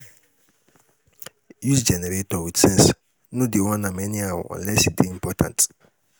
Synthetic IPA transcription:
jusd͡ʒɛnɛɾetɔwitɛ̃s | nũdiwɔ̃nãmɛ̃nĩawɔ̰ɔ̰̃lɛsidiĩmpʰɔtʰã̰nt

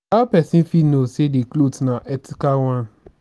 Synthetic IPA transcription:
apɛsĩnfinosedeklodnãʔɛtikalwãn

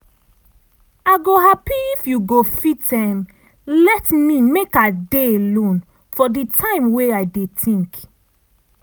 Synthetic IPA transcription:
aɡoɦapiifjuɡofitɛ̃m | lɛtmimekadeelõn | fɔditʰãɪ̃mweajdetʰĩŋk

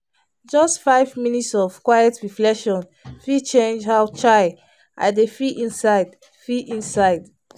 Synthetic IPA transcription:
d͡ʒɔstfaɪvminitsɔv̥kwajɛtɹiflɛkʃɔ̃n | fit͡ʃẽnd͡ʒhaʊt͡ʃaɪ | ʔa̰defiʔĩnsaɪd | fiĩnsaɪd

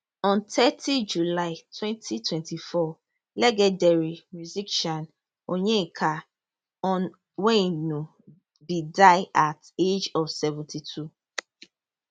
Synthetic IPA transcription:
ɔ̃ntʰɛtid͡ʒulaɪtwɛ̃ntʰitwɛ̃ntifɔ | lɛɡɛdɛɾimuzikʃɔ̃n | oɲẽikʰa | ɔ | wɛ̃inũ | bidaɪated͡ʒɔfsɛvũtitʰu

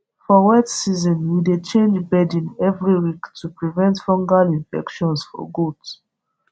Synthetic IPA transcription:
fɔwɛtsizɔ̃nwidet͡ʃẽnd͡ʒbɛdĩnɛvɹiwiktʰupɹivɛ̃ntfɔ̃ŋɡalĩnfɛ̰kʃɔ̃nsfɔ̰ɡud

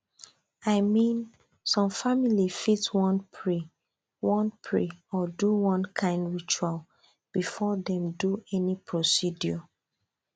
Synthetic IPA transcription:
aɪmĩn | sɔ̃mfamilifitwɔ̃npɹi | wɔ̃npʰɹḛɔduwɔ̃nkʰãɪ̃ndɹit͡ʃual | b̥ifɔdɛ̃mduɛnipʰɹosidjɔ

